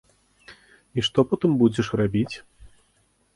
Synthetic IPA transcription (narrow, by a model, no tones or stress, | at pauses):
iʂt̪ɔpɔt̪ɨmbud͡zʲɛʂrabʲit͡sʲ